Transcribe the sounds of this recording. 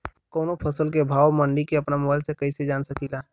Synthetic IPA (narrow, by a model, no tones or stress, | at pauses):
koːnopʰəsəlkebʱaːwmə̃ɳɖikeɐpnamɔaɪlsekɐised͡ʒaːnsəkilaː